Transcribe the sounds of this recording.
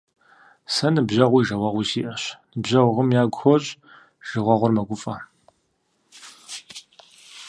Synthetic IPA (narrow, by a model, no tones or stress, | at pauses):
sɐnɨbʑɐʁʷiːʒɐwɐʁʷiːsiːʔɐɕnɨbʑɐʁʷʊʁəmjaːɡʷxɔɕʼ | ʒ̥ɨʁʷɔʁʷʊrmɐɡʷʊfʼɐ